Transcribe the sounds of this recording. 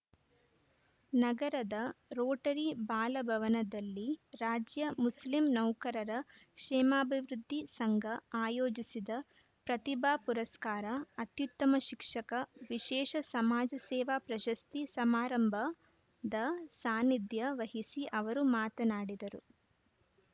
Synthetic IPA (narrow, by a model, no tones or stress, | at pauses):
nɐɡɐɾɐd̪ɐɾoːʈɐɾibaːlɐbʱɐʋɐnɐd̪ɐlːiɾaːd͡ʒjɐmuslimnɐwkɐɾɐɾɐkʃɛːmaːbʱiʋɾud̪ʱːisɐŋɡʱɐaːjoːd͡ʒisid̪ɐ | pɾɐt̪ibʱaːpuɾɐskaːɾɐːt̪jut̪ːɐmɐʃikʂɐkɐʋiʃɛːʃɐsɐmaːd͡ʒɐsɛːʋaːpɾɐʃɐst̪isɐmaːɾɐmbʱɐ | d̪ɐsaːnid̪jɐʋɐɦisiʔɐʋɐɾumaːt̪ɐnaːɽid̪ɐɾu